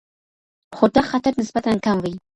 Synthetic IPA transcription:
χod̪aχat̪aɾnɪsbat̪ankamwij

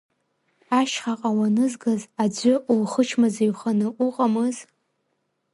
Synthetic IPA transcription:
aʃχaqʼawanɨzɡazad͡ʒʷʏʔulχət͡ʃʰmazaɥχanɨʔuqʼamɨz

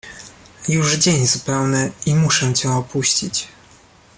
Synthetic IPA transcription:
juʐd͡ʑeɲzupɛwnɛimuʂɛ̃t͡ɕɛɔpuɕt͡ɕit͡ɕ

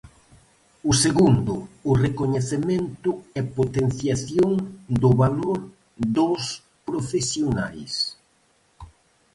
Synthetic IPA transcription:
ʊseɣund̪ʊːrekoɲeθement̪ʊɛpot̪en̟θjaθjoŋd̪ʊβaloɾ | d̪os | pɾofesjonajs

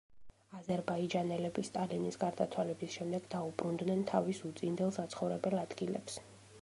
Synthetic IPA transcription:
azɛɾbaid͡ʒanɛlɛbist̪ʼalinisɡaɾd̪at̪sʰwalɛbisʃɛmd̪ɛɡd̪aubɾund̪nɛnt̪ʰavisut̪sʼind̪ɛlˠsat̪sʰχɔvɾɛbɛlˠad̪̥ɡilɛ̰ps

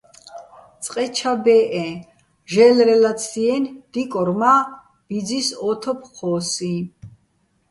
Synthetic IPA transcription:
t̪t͡sʼqʼɛt͡ʃʰabɛʔɛ | ʒɛlɾɛlat̪sʰiɛnd̪̥ikʼɔɾma | b̥id͡zisɔt̪ʰɔpʰχʰɔːsi

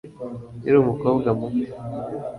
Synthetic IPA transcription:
iɾuːmukoːbɡamu

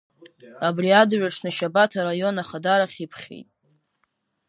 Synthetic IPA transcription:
abriadɥʷᶣaʂʰnɨʃabatʰaɾajo̞naχadaɾaχʲipʰχʲḛjtʼ

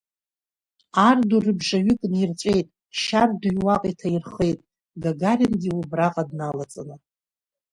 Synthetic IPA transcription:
ardurɨbʐaɥʏkʼnirt͡ʃʷʼe̞jtʼ | ʃardujwaqʼitʰairχejtʼ | ɡaɡarʲɪnɡʲiwubraqʼadnalat͡sʼɨnɨ

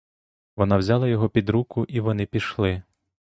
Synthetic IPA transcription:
ʋɔnɑwzʲɑlˠɐjɔɦɔpʲid̪ɾukʊʔiʋɔnɪpʲiʃlˠɪ

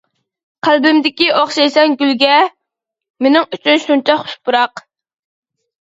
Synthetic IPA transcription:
qʰælbɪmd̪ɪkʲiʔoχʃɑjsɛŋɡʲylɡʲɛ | menɪŋyt͡ʃʰynʃunt͡ʃʰɛχʊ̥ʃpʊɾɑq

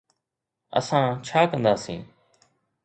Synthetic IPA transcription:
ə̰sãːt͡ʃʰaːkə̃nd̪aːsḭ̃ː

